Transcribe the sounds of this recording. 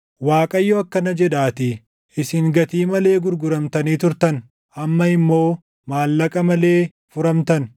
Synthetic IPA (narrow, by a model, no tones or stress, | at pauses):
waːkʼɐjːoɐkːɐnɐd͡ʒɛᶑaːt̪ɪ | ɪsɪŋɡɐt̪iːmɐle̞ːɡʊɾɡʊɾɐmt̪ɐniːt̪ʊɾt̪ɐn | ʔɐmːɐɪmːo̞ː | maːlːɐkʼɐmɐle̞ː | fʊɾɐmt̪ɐn